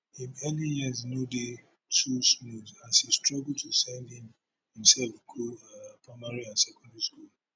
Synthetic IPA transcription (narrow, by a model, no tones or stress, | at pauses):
hĩmɛlijiznude | tusmudãnsistɹɔɡl̩tʰusɛ̃ndĩm | hĩmsɛlfkʰupʰɹaɪmaɹiãnsɛkɔ̃ndaɹiskul